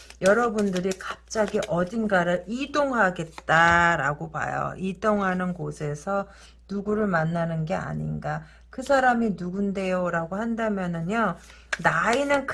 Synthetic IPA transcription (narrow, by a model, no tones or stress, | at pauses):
jʌɾʌbundɯɾikap̚t͡ɕ͈aɡiʔʌd͡ʑinɡaɾɯidoŋɦaɡe̞t̚t͈aɾaɡopa̰jo̰idoŋɦanɯnɡosʰe̞sʰʌ | nuɡuɾɯɭmanːanɯnɡe̞a̰ɲḭnɡa | kɯsʰaɾaminuɡunde̞joɾaɡohandamjʌnɯno | nainɯnk